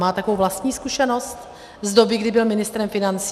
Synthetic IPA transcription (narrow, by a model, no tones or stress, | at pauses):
maːt̪akovowvlast̪ɲiːskuʃɛno̞st̪ | zdo̞bɪɡdɪbɪlmɪnɪst̪ɾɛmfɪnant͡sː